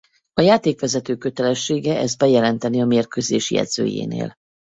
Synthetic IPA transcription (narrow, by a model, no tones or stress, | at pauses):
ɒjaːt̪eːkʋɛzɛt̪øːkø̞t̪ɛlɛʃːeːɡɛʔɛzbɛjɛlɛnt̪ɛniɒmeːrkøːzeːʃjɛ̰d̪z̥ø̰ːjḛːnḛːl